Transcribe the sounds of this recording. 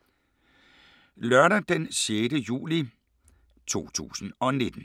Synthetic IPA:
lœɐɾɐd̥ensjedəjṵːli | t͡sʰo̝̰ːt͡sʰṵːsn̩ɒ̽ne̝d̥n̩

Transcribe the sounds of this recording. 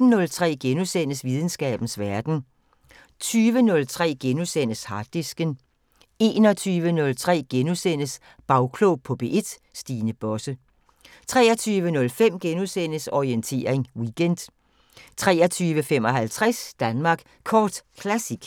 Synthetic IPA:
n̩nɔ̽lt͡sʰʁɛ̰ːɡ̥enusen̰əsʋið̞ˠn̩sɡ̥ɛ̰ːb̥n̩sʋæɐd̥n̩ | t͡sʰyːʋənɔ̽lt͡sʰʁɛ̰ːɡ̥enusen̰əshɑ̈d̥isɡ̥ən | e̝ːnɒ̽t͡sʰyːʋənɔ̽lt͡sʰʁɛ̰ːɡ̥enusen̰əs | b̥ɑ̈ʊkʰloʊpʰɒ̽b̥e̝ʔe̝d̥ | sd̥iːnəb̥ɒ̽sə | t͡sʰʁɛ̰ːɐt͡sʰyːʋənɔ̽lfem̰ɡ̥enusen̰əsɒient͡sʰe̝ːɐeŋwiɡ̥end̥ | t͡sʰʁɛ̰ːɐt͡sʰyːʋəfem̰ɒ̽ɦælt͡sʰʁasd̥ænmɑ̈ːɡ̥ | kʰɒːd̥kʰlæsiɡ̥

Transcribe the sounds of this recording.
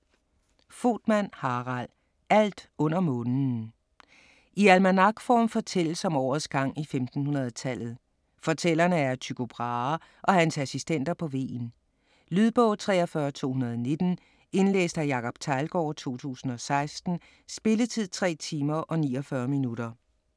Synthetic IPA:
fo̝̰ːd̥mæn̰hɑ̈ːʁɑl | æl̰d̥ɔ̽n̰ɐmɔ̽ːn̩ | ʔiælmænɑ̈ɡ̥fɒ̰ːmfɒ̽t͡sʰel̰əsɒ̽mɒːɐð̩ˠsɡ̥ɑ̈ŋ̰ifemd̥n̩hunɐð̩ˠt͡sʰæl̰ð̞̩ˠ | fɒ̽t͡sʰel̰ɐnəæɐt͡sʰyɡ̥o̝b̥ʁɑ | ʔɒ̽hænsæsisd̥en̰d̥ɐpʰɒ̽ʋe̝̰ːn | lyð̞ˠb̥ɔ̽ʊ̰t͡sʰʁɛ̰ːɒfɶːɐt͡sʰo̝̰ːhunɐðˠɒne̝d̥n̩ | e̝nlḛːsd̥æjɑ̈ːkʰɒ̽b̥t͡sʰɑ̈ɪlɡ̥ɒ̰ːt͡sʰo̝̰ːt͡sʰṵːsn̩ɒ̽sɑ̈ɪsd̥n̩ | sb̥e̝lət͡sʰið̞̰ˠt͡sʰʁɛ̰ːt͡sʰiːmɐʔɒ̽nḭːɒfɶːɐminuɾ̥ɐ

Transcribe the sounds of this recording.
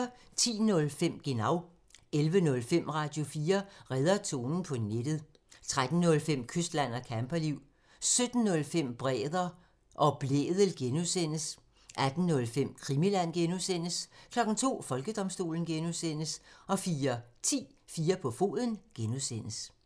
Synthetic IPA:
t͡sʰḭːnɔ̽lfem̰ɡ̥enɑ̈ʊ̰ | elʋənɔ̽lfem̰ʁɑ̈ːd̥jo̝fiːɐʁɛð̞ˠɐt͡sʰo̝̰ːnn̩pʰɒ̽ned̥ð̩ˠ | t͡sʰʁad̥n̩ːɔ̽lfem̰kʰøsd̥læn̰ɒkʰæmpʰɐliʊ̰ | sød̥n̩ːɔ̽lfem̰b̥ʁɛ̰ːðˠɐ | ʔɒ̽b̥lḛːðˠəl̩ɡ̥enusen̰əs | ʔæd̥n̩nːɔ̽lfem̰kʰʁimilæn̰ɡ̥enusen̰əskʰlɒ̽ɡ̥n̩t͡sʰo̝̰ːfɒ̽lɡ̥əd̥ɒ̽msd̥o̝̰ːln̩ɡ̥enusen̰əsɒ̽fiːɐt͡sʰḭː | fiːɐpʰɒ̽fo̝̰ðˠən̩ɡ̥enuðsen̰əs

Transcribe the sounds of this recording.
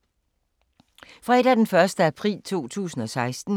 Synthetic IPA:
fʁɑ̈e̝d̥æɐd̥enfɶɐsd̥əæpʰʁḭːlt͡sʰo̝̰ːt͡sʰṵːsn̩ɒ̽sɑ̈ɪsd̥n̩

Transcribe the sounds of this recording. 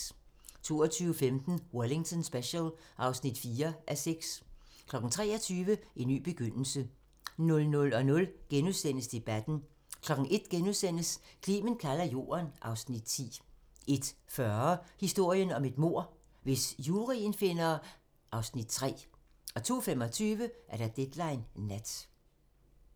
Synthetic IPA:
t͡sʰo̝̰ːɒt͡sʰyːʊəfemd̥n̩wɒle̝ŋt͡sʰɔnsb̥eɕəlʔɑ̈ʊsnid̥fiːɐʔæseɡ̥skʰlɒ̽ɡ̥ŋ̩t͡sʰʁɛːɒ̽t͡sʰyːʋəʔenːy̰ːb̥e̝ɡ̥øn̰l̩sə | nɔ̽lnɔ̽lɒ̽nɔ̽lɡ̥enuðˠsen̰əsd̥e̝b̥æd̥n̩ | kʰlɒ̽ɡ̥̩ʔe̝d̥ɡ̥enuðˠsen̰əskʰlḭːmənkʰælɐjo̝̰ːɐnʔɑ̈ʊsnid̥̚t͡sʰḭː | ʔe̝d̥fɶɐhisd̥o̝ɐ̰jənɒ̽me̝d̥mo̝ɐ̰ | ʋe̝sjuːʁinfe̝nɐ | ʔɑ̈ʊsnid̥t͡sʰʁɛ̰ː | ɒ̽t͡sʰo̝̰ːfem̰ɒ̽t͡sʰyːʋəʔæɐɾ̥ɑd̥ed̥lɑ̈ɪnːæd̥

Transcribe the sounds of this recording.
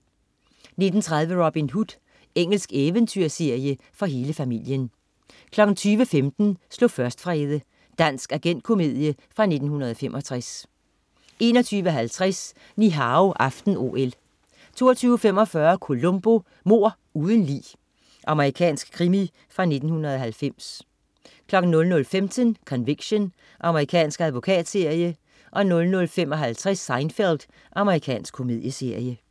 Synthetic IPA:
ne̝d̥n̩t͡sʰʁɑ̈ð̞ˠʋəʁɔb̥inɦud̥ | eŋ̰l̩sɡ̥eːʋənt͡sʰyɐ̰se̝ɐ̰jə | fɒ̽ɦe̝ːləfæmil̰jən | kʰlɒ̽ɡ̥n̩t͡sʰyːʋəfemd̥n̩slɔ̽fɶɐsd̥fʁɛːð̞ˠə | d̥æn̰sɡ̥æɡ̥en̰d̥̚kʰo̝me̝ð̰ˠjəfʁɑ̈ne̝d̥n̩hunɐð̞ˠɒ̽femʔɒ̽t͡sʰʁas | e̝ːnɒ̽t͡sʰyːʋəɦælt͡sʰʁas | niɦɑ̈oʔɑ̈fd̥n̩o̝̰el | t͡sʰo̝̰ːɐt͡sʰyːʊfem̰ɒ̽fɶɐkʰo̝lɔmb̥o̝ | mo̝ɐ̰ | uːðˠən̩lḭː | ʔɑ̈məʁikʰɛ̰ːnsɡ̥̚kʰʁimi | fʁɑ̈ne̝d̥n̩hunɐð̩ˠɒ̽ɦælfem̰s | kʰlɒ̽ɡ̥n̩nːɔ̽lnɔ̽lfemt͡sʰənkʰɒ̽nʋeɡ̥ɕon | ʔɑ̈məʁikʰɛ̰ːnsɡ̥æð̞ˠʋo̝kʰɛ̰ːd̥se̝ɐ̰jə | ʔɒ̽nɔ̽lnɔ̽lfem̰ɒ̽ɦælt͡sʰʁasːɑ̈ɪnfeld̥ | ʔɑ̈məʁikʰɛ̰ːnsɡ̥kʰo̝mið̞ˠjəse̝ɐ̰jə

